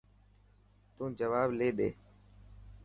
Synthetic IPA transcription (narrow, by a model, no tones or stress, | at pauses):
t̪ũːd͡ʒəʋaːbleːɗeː